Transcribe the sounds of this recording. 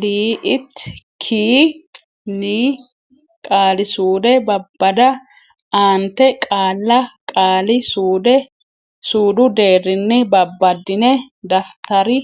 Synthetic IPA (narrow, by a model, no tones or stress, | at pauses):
liːʔɪt̪ːkʰiː | niː | kʼaːlɪsuːd̪ɛbɐbːɐd̪ɐ | aːnt̪ɛkʼaːlːɐkʼaːlɪsuːd̪ɛ | suːd̪ʊd̪eːrːɪnːɪbɐbːɐd̪ɪnɛd̪ɐft̪ɐɾɪ